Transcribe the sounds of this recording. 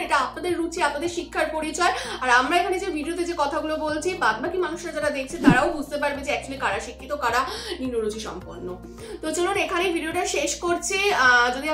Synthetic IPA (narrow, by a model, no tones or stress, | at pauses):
ɾeʈaapnad̪eɾːut͡ɕʰiapnad̪eɾʃikʰːaɾpoɾit͡ɕɔeaɾamɾaekʰaned͡ʑebʱiɖiot̪̬ed͡ʑekɔt̪ʰaɡulobolt͡ɕʰibad̪̚bakimanuʃɾad͡ʑaɾad̪ek̚ʰt͡ɕʰit̪aɾaobʱud͡ʑt̪epaɾbed͡ʑeɛk̚t͡ɕʰolikaɽaʃikʰːit̪okaɽaninːoɾut͡ɕʰiʃɔ̰mpoɾnːo | t̪od͡ʑononekʰanebʱiɖioʈaʃeʃkoɾt͡ɕʰed͡ʑod̪ia